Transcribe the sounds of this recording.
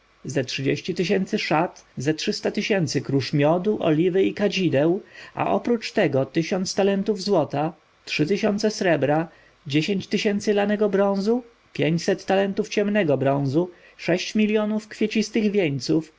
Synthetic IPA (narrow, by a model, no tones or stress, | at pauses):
zɛtʂɘd͡ʑeɕt͡ɕit̪ɘɕ̬ɛnt̪sɘʂat̪zɛtʂɘst̪at̪ɘɕɛnt̪sɘkɾuʂmʲjɔd̪uʔɔ̰lʲivɘikad͡ʑid̪ɛwa̰ʔɔpɾut͡ʂt̪ɛɡɔt̪ɘɕɔnt̪st̪alɛnt̪uvzwɔt̪a | tʂɘt̪ɘɕɔnt̪sɛsɾɛbɾa | d͡ʑeɕeɲt͡ɕt̪ɘɕɛnt̪sɘlanɛɡɔbɾɔ̃w̃zu | pʲjeɲt͡ɕsɛt̪ːalɛnt̪uft͡ɕɛmnɛɡɔbɾɔ̃w̃zu | ʂɛɕt͡ɕmʲilʲjɔnufkfʲjet͡ɕist̪ɘɣvʲjeɲt̪suf